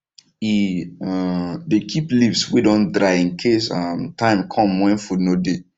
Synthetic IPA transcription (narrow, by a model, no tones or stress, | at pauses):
i | dekʰiplivswedɔ̃ndɹaɪĩŋkʰesamtʰãɪ̃mkʰɔ̃mːɛ̃nfudnode